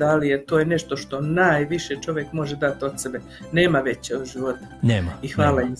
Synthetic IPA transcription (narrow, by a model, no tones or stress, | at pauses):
alijet̪oːjene̞ʃt̪o̞ʃt̪o̞naːjʋiʃet͡ʃo̞ʋjekmo̞ʒed̪at̪ot̪sebe | ne̞ːmaʋe̞t͡ɕʒiʋo̞t̪ḁneːmaixaːlaim